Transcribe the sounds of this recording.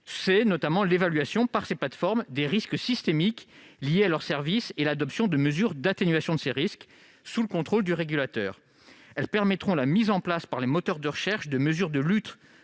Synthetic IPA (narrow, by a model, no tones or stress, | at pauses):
sɛnɔt̪amɑ̃levalɥasjɔ̃paʁseplat̪fɔʁmd̪eʁisksist̪emiklijealœʁsɛʁviselad̪ɔpsjɔ̃d̪əməzyʁd̪at̪enɥasjɔ̃d̪əseʁisk | suləkɔ̃t̪χold̪yʁeɡʲylat̪œ̰ːʁ | ɛlpɛʁmɛt̪χɔ̃lamizɑ̃plaspaʁlemɔt̪œʁd̪əʁəʃɛʁʃd̪əməzyʁd̪əlyt̪